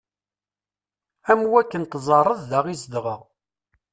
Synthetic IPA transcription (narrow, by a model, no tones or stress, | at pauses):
æmwækːənt̪zˤɑrˤəððaʁisd̪ʁəʁ